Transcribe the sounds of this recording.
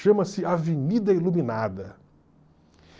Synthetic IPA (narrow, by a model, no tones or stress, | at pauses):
ʃɐ̃mɐsɪavenid̪ɐilumĩnad̪ɐ